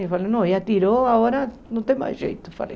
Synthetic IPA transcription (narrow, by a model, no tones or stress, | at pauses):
efalenõjat̪iɾoaoɾɐ | nõt̪ẽj̃ma̰ʒḛjt̪ʊ̥fa̰lḛ